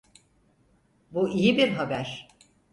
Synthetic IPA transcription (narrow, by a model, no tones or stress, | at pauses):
buijibiɾɦabæɾ̥